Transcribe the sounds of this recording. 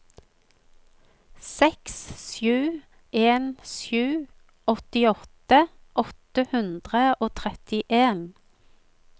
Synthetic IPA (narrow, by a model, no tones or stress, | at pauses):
sɛkssjʉː | ʔeːnʃjʉː | ɔt̪ɪɔt̪əʔɔt̪əhʉnd̪ʁəʔoːt̪ʰʁɛt̪ɪʔeːn